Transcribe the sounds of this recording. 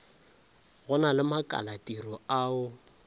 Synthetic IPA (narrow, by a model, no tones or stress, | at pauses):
ɣʊnalɪmakʼa̰latʼirɔaʊ